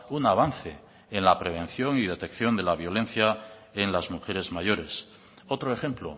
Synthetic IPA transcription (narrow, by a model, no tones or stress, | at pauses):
unaβ̞anθe̞ | enlapɾe̞β̞ẽ̞n̟θjo̞ŋið̞e̞t̪e̞kθjo̞nd̪e̞laβ̞jo̞le̞n̟θja | enlazmuxe̞ɾe̞zmaʝo̞ɾe̞s | ot̪ɾoe̞xe̞mplo̰